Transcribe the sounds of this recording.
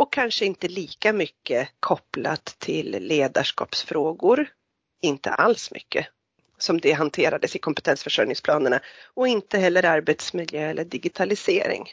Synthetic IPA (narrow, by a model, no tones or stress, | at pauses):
ɔkʰːanʂəɪnt̪əliːkamʏkːəkʰɔpla̰t̪ʰːɪlːeːd̪aʂkɑ̰ːpsfɾoːɡʊɾ | ɪnt̪ʰə̰ʔalsmʔʏ̰kːə | sɔmd̪ɛɦant̪ʰeːɾad̪əsɪkʰɔmpɛ̥t̪ʰɛnsfœʂœlnɪŋspʰlɑːnəɳaɔɪnt̪əɦɛlːəɾaɾbɛt̪smɪd̪ljøːɛlːəɖɪɡɪt̪ʰalɪseːɾɪ̰ŋ